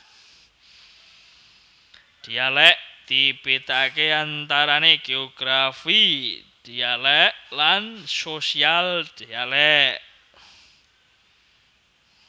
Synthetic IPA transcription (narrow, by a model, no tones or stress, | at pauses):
d̪̥ialɛʔ̚d̪̥ib̥et̪akeant̪aɾaneɡ̥eɔɡ̥ɾafid̪̥ialɛʔlansosiald̪̥ialɛʔʔ